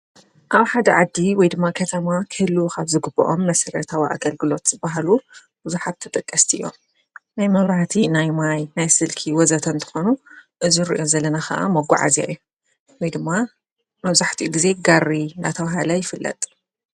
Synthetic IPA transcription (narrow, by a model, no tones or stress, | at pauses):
ʔaβħad̪ɐʕad̪ːiwɔjd̪ɨmːakʰɐt̪ʰɐmakʰɨhlːukʰaβzɨɡɨbːɐ̰ʔomːɐsɐɾɐt̪ʰawiʔa̰ɡɐlɡɨlo̞t̪z̥ɨbaɦlu | b̥ɨzuħat̪t̪ʰːɨt̪ʼɨkʼːɐst̪ʰiʔɨjːo̞̰ | najmɐβɾaħt̪ʰinajmajnajsɨlkʰiwɔzɐt̪ʰɨnt̪ʰɨ̥xonuʔɨziɾḭʔo̞zɐlːɐnaxɐ̰ʔa̰mɐɡʷa̰ʕa̰zia̰jːu | wɔjd̪ɨmːa | mɐβzaħt̪ʰiʔɡize̞ɡarːina̰t̪ʰɐwɦɐlɐjɪfɨlːɐ̰t̪ʼ